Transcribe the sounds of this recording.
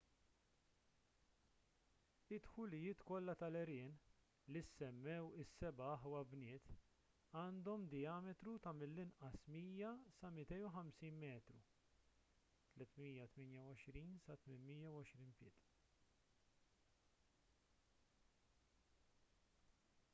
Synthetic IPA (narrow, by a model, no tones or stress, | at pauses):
ɪt̪ħʊlɪjɪːt̪kɔlːɐt̪ɐlɛɾɪːn | lisːɛmːɛwɪsːɛbɐɐħwɐbnɪːt̪ | ɐːnd̪ɔmd̪ɪjɐːmɛt̪ɾut̪ɐmɪlːɪnʔɐsmiːjɐsɐmɪt̪ɛjuħɐmsiːnmɛːt̪ɾu | t̪lɛt̪miːjɐt̪mɪːnjɐwɔʃɾiːnsɐt̪mɪnmijːɐwɔʃɾiːnpɪːt̪